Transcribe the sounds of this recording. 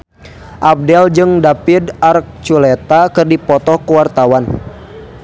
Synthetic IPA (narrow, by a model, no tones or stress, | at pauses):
ʔap̚dɛld͡ʒɨŋdapɪdark̚t͡ʃulɛt̪akɨrdipɔt̪ɔhkuwart̪awan